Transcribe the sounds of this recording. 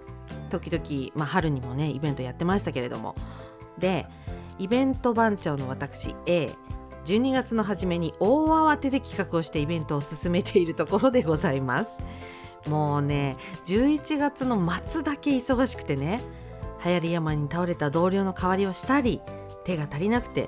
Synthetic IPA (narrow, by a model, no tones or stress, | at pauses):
t̪o̞kʲid̪o̞kʲimaɦaɾɯ̟ɲ̟imo̞ne̞ḭbẽ̞nt̪o̞jat̪ːe̞maɕi̥t̪ake̞ɾe̞d̪o̞̰mʔo̰ | d̪e̞ | ibẽ̞nt̪o̞bãɲ̟t͡ɕo̞ːno̞βat̪akɯ̟̥ɕḭe̞ː | d͡ʑɨːɲ̟iɡat͡sɨno̞ɦaʑime̞ɲ̟iʔo̞ːaβat̪e̞d̪e̞kʲi̥kakɯ̟o̞ɕi̥t̪e̞ibẽ̞nt̪o̞ːsɨsɨme̞t̪ʰe̞iɾɯ̟t̪o̞ko̞ɾo̞d̪e̞ɡo̞zaimasɨ̥ | mo̞ːne̞ | d͡ʑɨːit͡ɕiɡat͡sɨno̞mat͡sɨd̪ake̞iso̞ɡaɕi̥kɯ̥t̪e̞ne̞ | hajaɾʲijamaɲ̟it̪aoɾe̞t̪ad̪o̞ːɾʲo̞ːno̞kaβaɾʲiβoɕi̥t̪aɾʲi | t̪e̞ɡat̪aɾʲinakɯ̟̥t̪e̞̰